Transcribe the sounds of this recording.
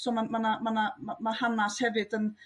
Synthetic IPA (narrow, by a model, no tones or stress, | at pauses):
somanmanamanamamahanːashɛvetən